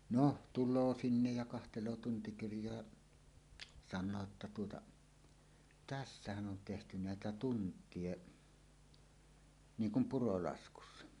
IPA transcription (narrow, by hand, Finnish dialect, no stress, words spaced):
no tulˑoː sinːej jɑ kɑhteloː tuntikirjˑoɑ sɑnːoː etːæ etːæ tuotɑ tæsːæhæn on tehty næˑetæ tuntˑie niːŋ kum purolɑskusːɑ